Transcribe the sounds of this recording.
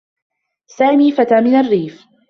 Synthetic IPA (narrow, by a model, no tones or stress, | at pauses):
saːmiːfat̪aːmɪnarːiːf